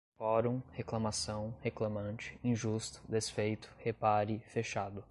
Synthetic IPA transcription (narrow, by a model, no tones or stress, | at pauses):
fɔɾõheklɐmasɐ̃w̃heklɐmɐ̃nt͡ʃɪ̥ĩʒust̪ʊ̥d̪esfejt̪ʊ̥hepaɾɪfeʃad̪ʊ